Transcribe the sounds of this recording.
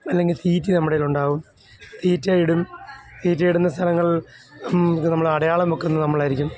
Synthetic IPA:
ɐlːe̞ŋɡilt̪ʰiːtːinɐmːuɽeluɳɖaːʋum | t̪iːtːajiɽumt̪iːt̬ːaːjiɽunːɐst̪ʰɐlɐŋːɐɭ | nɐmːɐɭɐɽɐjaːɭɐmokːenːnɐmːɐɭaːjiɾikʲːum

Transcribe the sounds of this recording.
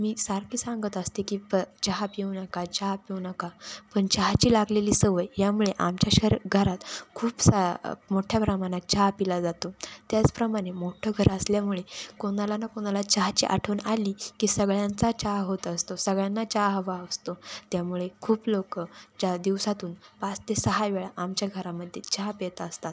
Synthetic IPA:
miːsaɾkʰiːsãŋɡət̪əst̪ekiːpət͡ɕaɦapjeʋnəkat͡ɕaɦpjeʋnəkapəɳt͡ɕaɦt͡ɕiːlaɡleliːsəʋəjjamuɭeʔa̰mt͡ɕaɕəɾɡʱəɾat̪kʰuːpsamoʈʰjapɾəmaɽ̃at͡ɕaɦpilad͡zat̪ot̪jat͡spɾəmaɽ̃emoʈʰəɡʱəɾəsljamuɭekoɽ̃alanakoɽ̃alat͡ɕaɦt͡ɕḭʔa̰ʈʰəʋnaliːkiːsəɡɭjant͡sat͡ɕaɦɦot̪əst̪osəɡɭjanːat͡ɕaɦʋaəst̪ot̪jamuɭekʰuːplokət͡ɕad̪iʋsat̪uːnpast̪esəɦajʋeɭaʔamt͡ɕjaɡʱəɾaməd̪ʱjet͡ɕaɦpet̪aəst̪at̪̚

